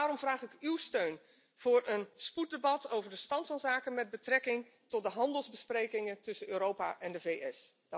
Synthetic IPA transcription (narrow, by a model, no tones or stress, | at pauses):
aːrɔmvraːχɪkywstøɥn | v̥ʊːɹənsput̚debɑtowvəɹdəstɑntfɑnzaːkənmɛd̚bətrɛkɪŋ | tɔtdəɦɑndəlˠzbəsprejkɪŋəntɵsənøːɾowpa̰ːʔɛndəvejɛs